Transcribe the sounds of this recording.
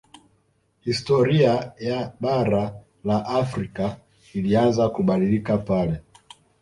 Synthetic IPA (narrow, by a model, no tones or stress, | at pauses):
histɔɾiajaɓaɾa | laʔafɾika | ilianzakuɓaɗilikapalɛ